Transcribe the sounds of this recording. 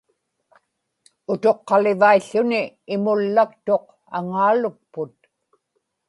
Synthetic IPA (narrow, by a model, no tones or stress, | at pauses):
ʊt̪o̞qːɑlɪvaiɬːʊnɪːmʊlːak̚t̪o̞q | a̰ŋaːlʊk̚pʊt̪̚